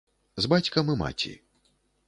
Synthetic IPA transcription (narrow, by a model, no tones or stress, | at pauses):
zbat͡sʲkɐmɨma̰t͡sʲḭ